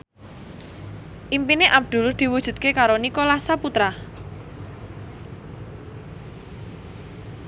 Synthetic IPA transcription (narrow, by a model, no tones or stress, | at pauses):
ʔimpineʔab̚d̪̥ʊ̤ld̪̥i̤wud̥ʒ̥ṳdt̪̚kekaɾonikolasaput̪ɾa